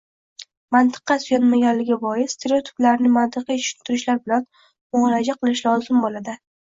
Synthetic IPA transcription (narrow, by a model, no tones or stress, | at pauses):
mant̪ʰɨ̥qːɑsʊjɒnmaɡʲanlɪɡʲabɒjɪst̪ʰeɾeot̪ʰɪ̥pblaɾnɪmant̪ʰɨqʰijeʃɪ̥nt̪ʰɪɾɪʃlaɾbɪlan | mʊlad͡ʒaqʰɨlˠɪʃlˠɒzɪmbolad̪ɪ